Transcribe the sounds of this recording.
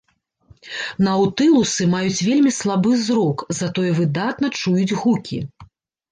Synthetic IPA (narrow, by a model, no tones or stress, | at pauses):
nɐwt̪ɨlˠusɨmajut͡sʲvʲelʲmʲislˠabɨzɾɔkzat̪ɔjɛvɨd̪at̪̚nɐt͡ʂujud͡zʲɣukʲḭ